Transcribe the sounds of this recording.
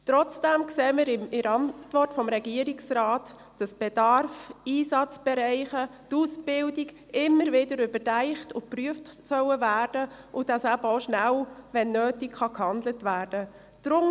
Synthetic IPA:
t̪ɾɔt͡sd̥æmkseːməɾɪmɪɾɑntʋɔrtfɔmɾɛɡiəɾiksrɑːt | d̥ɑsb̥ɛd̥ɑrfiːsɑt͡sb̥ɛɾæɪχətusb̥ɪldiɡ | ɪmːəɾvɪdəɾʏbətæɪχtʊpryəftsœwəvæːrd̥ə | ʔʊd̥ɑshɑlboʊʃnæwʋɛnːøːtikχɑkhɑndlətʋæːɾd̥ə | d̥ɾʊm

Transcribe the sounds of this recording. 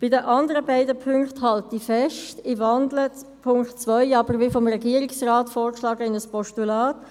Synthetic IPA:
b̥ɪdəʔɑndəɾəbaɪdəpʰʏŋkthɑltifɛʃtɪvɑndlə | pʰʊŋktt͡sʋœʏɑːbəɾʋifɔmrɛɡiəɾɪksraːtfoːrkʃlɑːɡəɪnəspɔʃtulaːt

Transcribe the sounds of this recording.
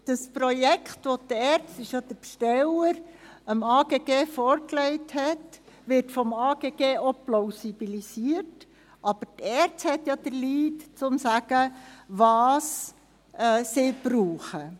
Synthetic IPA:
d̥əspɾɔjɛkχtʋɔtɛɾt͡sstɪʃjɑd̪̥əɾpʃtɛləɾ | əmɑːɡ̥eːɡ̥eːfɔːɾklɛɪthɛtʋɪɾtfɔmɑːɡ̥eːɡ̥eːoploʊsib̥ilisiːəɾt | ʔɑb̥əɾtɛːɾt͡sthɛt̪jɑd̥̪əɾliːtt͡sʊmsæɡ̥əʋɑːs | ʔɛːsɪb̥ɾuːχə

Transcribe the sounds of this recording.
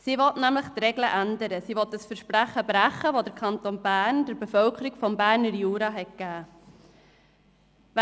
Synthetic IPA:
siʋɔtnæmləχt̪rɛɡləʔændəɾəsiʋɔt̪əsfəɾʃpɾæχəbɾæχːəʋodəɾkʰɑnt̪oːnbæːɾnd̥əɾbefœlkʰəɾiɡ̥fɔmbæːɾnəɾjuːɾɑɦɛt̚kæː

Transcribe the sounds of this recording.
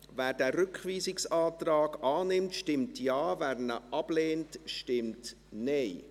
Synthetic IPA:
væːɾd̥æːrʏkχʋiːsɪksɑːtrɑːɡɑːnɪmtʃtɪmtʰjɑːvæːɾnəʔɑb̥leːntʃtɪmt | nɛɪ

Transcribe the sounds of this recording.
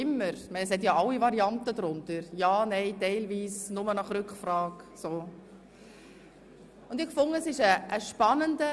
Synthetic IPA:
ɪmːəɾmɛɪnəshɛt̬jɑɑwivɑɾiɑntədɾʊntəɾjɑːnɛɪtɛɪlviːsnʊmənɑχrʏkχfrɑːksoː | ʊnd̥ɪχkfʊŋːəsɪʃəʔːʃpɑnəndə

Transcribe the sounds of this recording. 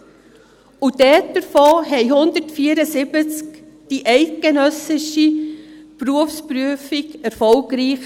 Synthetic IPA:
udɛtdəɾfoːɦɛɪhʊnd̪ətfiəɾəsɪbət͡skd̥iʔɛɪt̚ɡ̥enœsɪʃipɾuəfspɾyəfikɛɾfɔlɡɾiːχ

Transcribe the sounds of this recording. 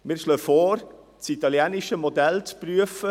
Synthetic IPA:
mɪɾʃløfoːɾ | t͡sit̪ɑljɛːnɪʃəmodɛlt͡spryəfə

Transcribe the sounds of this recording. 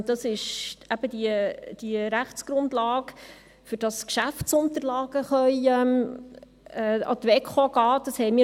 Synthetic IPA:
dɑsɪʃæb̥əd̥iəd̥iəɾæχt͡sɡ̥ɾʊndlɑːɡ | fʏɾd̥ɑskʃæft͡sʊnt̪əɾlɑːɡəχœjɛm | ɛːɑ̰t̪ʋɛkχoɡɑːd̥ɑshɛjmɪ

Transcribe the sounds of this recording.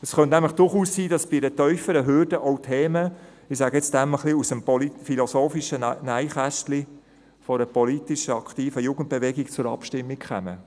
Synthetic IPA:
əsχœntnæmləχd̥ʊɾχuːssiːdɑsb̥idətœʏfəɾəɦʏɾd̥əʔɔʊtʰeːmə | ɪsæːɡəɛt͡sd̥æməχliusəmpɔlifilosoːfiʃənæɪχæʃtli | fɔɾəpɔlitiʃəɑkχtiːfəjuːɡ̥ən̩t̚b̥eʋɛɡikt͡sʊɾɑ̰pʃtɪmːikχɛ̰mə̰

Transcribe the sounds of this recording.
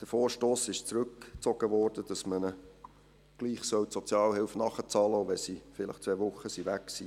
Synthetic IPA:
d̥əfoːɾʃtoːsɪʃt͡sɾɵkt͡sɔɡ̥əʋɔːɾd̥əd̥ɑsmənə | ɡ̥liːχsœwtsot͡sjɑːlhɪlfnɑχət͡sɑləoʋɛsifɪlə̰χt͡sʋɛvʊχːəsiʋæksi

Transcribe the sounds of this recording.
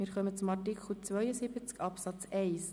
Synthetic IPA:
mɪːɾχœmət͡sʊmɑrtikχl̩t͡svœʏəsibət͡skɑpsɑt͡sɛɪs

